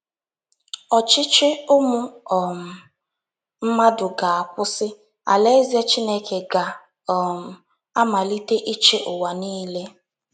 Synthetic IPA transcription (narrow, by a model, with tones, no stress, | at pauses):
ɔ˨t͡ʃɪ˦t͡ʃɪ˦ʊ˦mʊ˦ɔ˨m̩˨ | m̩˦ma˦dʊ˨ɡa˨a˨kʷʊ˦sɪ˦ | a̰˨le˦ze˦t͡ʃi˦ne˦ke˨ɡa˨ | m̩˨ | a˦ma˨li˦te˦ʔi˦t͡ʃe˦ʔʊ˨wa˨niː˦le˦